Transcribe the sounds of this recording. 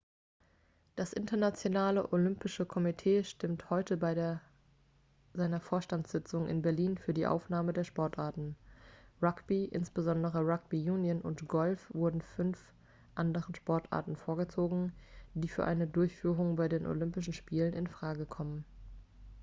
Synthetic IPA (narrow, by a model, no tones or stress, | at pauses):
d̥asʔɪ̰ntɐnat͡sjonaːləʔolʏmpɪʃəkʰɔmitʰeːʃtɪmthɔʏtʰəbaɪdeːɐ | zaɪnɐfoːɐʃtantz̥ɪt͡sʊŋʔɪ̰nbɛɐliːnfyːɐdiːʔa̰ʊfnaːmədeːɐʃpɔɐtʔaɐtn̩ʁakb̥iʔɪ̰nsb̥əzɔndəʁəʁak̚b̥ijuːnjənʊ̰ntɡ̥ɔlfv̥ʊɐdn̩ʏnf | ʔandəʁənʃpɔɐtʔa̰ɐtn̩foːɐɡət͡soːɡŋ̩d̥iːfyːɐʔa̰ɪnədʊɐçfyːʁ̞ʊŋbaɪdeːnʔo̰lʏmpɪʃn̩ʃpiːlənɪnfʁ̥aːɡəkʰɔmən